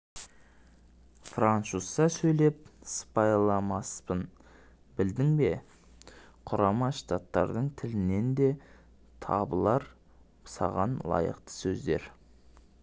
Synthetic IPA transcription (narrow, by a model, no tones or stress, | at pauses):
frant̪susːɑsɵjle̞p̚spɑjlˠɑmɑspən | bɪld̪ɪŋbe̞ | qʰʊɾɑmɑʃt̪at̪ːɑ̰ɾd̪əɴt̪ʰɪlɪne̞nd̪e̞ | t̪ʰɑ̰bəlˠɑɾ | sɑ̰ʁɑnlˠɑ̰jə̰qt̪ə̥sɵzd̪e̞̰ɾ